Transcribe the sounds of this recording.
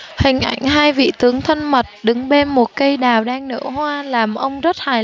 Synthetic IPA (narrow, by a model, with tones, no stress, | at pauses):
hï˨˩ŋ̟ʔa̰˧˩jŋ̟ɦaː˧jvḭ˧˨t̪ɨ˨˦əŋt̪ʰə˧nmə˨˩t̚ɗɨ˨˦ŋɓe˧nmo˨˩t̚kə˧jɗaː˨˩wɗaː˧ŋnɨ̰˧˥hwaː˧laː˨˩mʔə˧wŋ͡mzə˦˥t̚haː˨˩